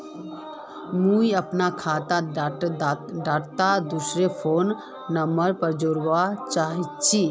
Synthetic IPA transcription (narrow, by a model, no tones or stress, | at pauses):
mũiəpnakʰat̪a | ɖaːʈt̪ad̪usɾepʰoːnː | əməɾpəɾd͡ʒoːɾʋat͡ʃaɦit̪t͡ʃʰi